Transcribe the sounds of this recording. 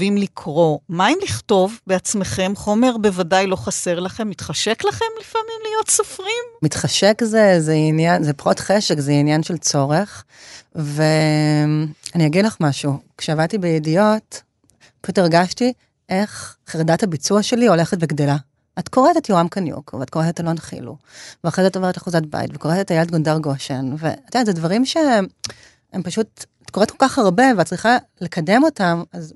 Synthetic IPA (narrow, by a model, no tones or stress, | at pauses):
vimlikʰʁo̞maimliχto̞vbeat͡smeχe̞mχo̞me̞ʁbevadajlo̞χase̞ʁlaχe̞mːit̪χaʃeklaχe̞mlifamimlijo̞tsofʁimmitχaʃekzezeinjanzepaʁotχeʃekzeinjanʃelt͡so̞ʁeχ | ve | aniaɡidlaχmaʃukʃeavad̚tibejedijo̞t | paʃuteʁɡaʃti | ʔe̞χχeʁdathabit͡suaʃe̞lio̞le̞χet̚beɡdela | atkoʁetetjoʁamkanjṵkveat̚ko̞etetalonχḭlṵveaχʁezatoveʁetaχuzat̚ba̰jḭtveko̞ʁetet̪ajeled̚ɡondaʁɡo̞ʃenvḛat̪anzedvaʁimʃe̞ | empaʃut̚at̚koetkolkaχaʁbe̞veat̚t͡sʁiχale̞kʰade̞mo̞tamaz